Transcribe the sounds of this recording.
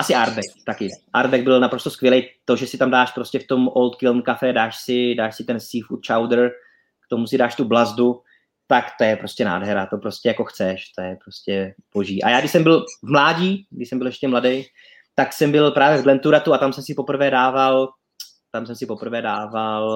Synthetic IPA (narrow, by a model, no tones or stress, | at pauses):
ʔasɪaɾbɛkt̪akɪʔaɾbɛɡ̚bɪlnapɾo̞st̪oskvjɛlɛjt̪o̞ʒɛsɪt̪amdaːʃpɾo̞scɛft̪o̞mʔolt̪kɪlnkafɛdaːʃsɪdaːʃsɪt̪ɛnsiːfut̪t͡ʃawdɾ | kt̪o̞musɪdaːʃt̪ublazdu | t̪akt̪o̞jɛpɾo̞scɛna̰ːdɦɛɾat̪o̞pɾo̞scʲɛjako̞xt͡sɛʃt̪ojɛpɾo̞scɛb̥o̞ʒiːʔa̰jaːɡdɪʃsɛmbɪlvmlaːɟiːɡdɪʃsɛmbɪlɛʃcʲɛmladej | t̪aksɛmbɪlpɾaːvjɛvɡlɛnt̪uɾat̪uat̪amsɛmsɪpo̞pr̩vɛːdaːval | t̪amsɛmsɪpo̞pr̩vɛːdaːval